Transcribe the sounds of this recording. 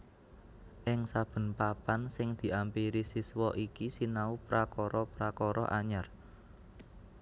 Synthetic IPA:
ʔɪŋsab̥ə̤npapansɪŋd̪̥i̤ʔampiɾisiswɔʔikisinaupɾakɔɾɔpɾakɔɾɔ̰ʔaɲar

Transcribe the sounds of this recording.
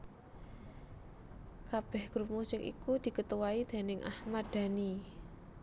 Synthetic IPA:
kab̥ɛhɡ̥ɾup̚musɪŋʔḭkud̪̥i̤kət̪uwaid̪̥e̤nɪŋʔa̰hmad̪̥a̤ni

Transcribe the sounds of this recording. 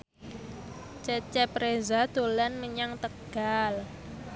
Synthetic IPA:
t͡ʃɛt͡ʃɛpɾezad̪̥olɛnməɲaŋt̪əɡ̥al

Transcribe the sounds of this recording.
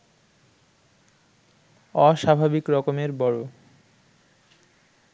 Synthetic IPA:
ɔʃabʱabikɾɔkomeɾbɔɽo

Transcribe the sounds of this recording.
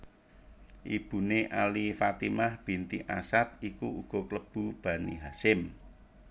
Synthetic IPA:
ʔib̥ṳneʔalifat̪imahb̥i̤nt̪iʔasat̪̚ikuuɡ̥ɔ̤kləb̥ṳb̥ä̤niɦasɪm

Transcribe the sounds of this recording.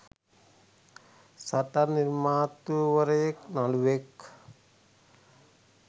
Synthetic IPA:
saʈaniɾmat̪uwəɾeknalwek

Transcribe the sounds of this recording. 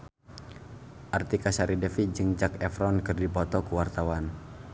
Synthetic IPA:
ʔart̪ikasaɾidɛfid͡ʒɨŋd͡ʒakɛfɾɔnkɨrdipɔt̪ɔkuwart̪awan

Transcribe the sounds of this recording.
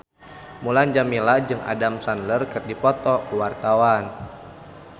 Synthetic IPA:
muland͡ʒamilad͡ʒɨŋa̰damsanlərkɨrdipɔt̪ɔkuwart̪awan

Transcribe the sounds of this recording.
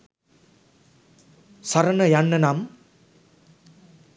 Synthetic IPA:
sɐɾɐnɐjɐnːɐnam

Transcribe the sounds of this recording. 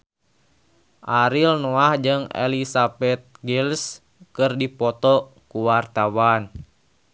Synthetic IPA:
ʔaɾilnɔahd͡ʒɨŋɛ̰lisabɛt̪̚ɡils | kɨrdipɔt̪ɔ | kuwart̪awan

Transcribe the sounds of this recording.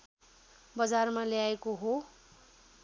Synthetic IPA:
bʌd͡zarmaleaekoɦo

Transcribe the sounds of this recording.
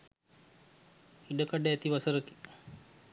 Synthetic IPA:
iɖəkaɖəæt̪iʋasəɾəki̥

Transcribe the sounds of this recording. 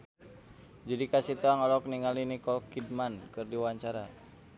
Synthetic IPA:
d͡ʒadikasit̪uaŋalɔk̚niŋalinikɔlkid̚mankɨrdiwaɲt͡ʃaɾa

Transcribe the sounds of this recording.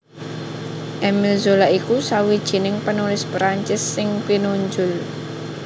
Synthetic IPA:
ʔɛmilzolaikusawid̥ʒ̥i̤nɪŋpənulɪspɾaɲt͡ʃɪsːɪŋpinuɲd͡ʒʊl

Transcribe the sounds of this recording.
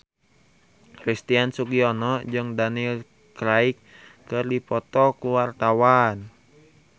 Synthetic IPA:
krist̪iansukiɔnɔd͡ʒɨŋdanil | kɾaikːɨrdipɔt̪ɔkuwart̪awan

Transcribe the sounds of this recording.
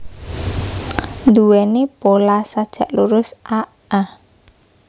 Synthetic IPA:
nd̪uwɛnepolasad̥ʒ̥ä̤ʔluɾʊsa | a

